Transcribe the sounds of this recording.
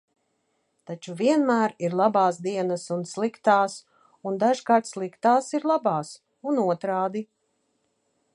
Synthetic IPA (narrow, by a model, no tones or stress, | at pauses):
t̪at͡ʃuviɛnmæːɾiɾlˠabaːsd̪iɛnəsunslˠikt̪aːs | und̪aʒkaːɾt̪slˠikt̪aːsiɾlˠabɑːs | unuɔt̪ɾaːd̪i